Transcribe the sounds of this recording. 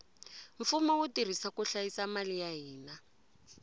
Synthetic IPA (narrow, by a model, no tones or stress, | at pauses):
ɱ̩fumawutir̤isakuɬajisamalijaɦiːna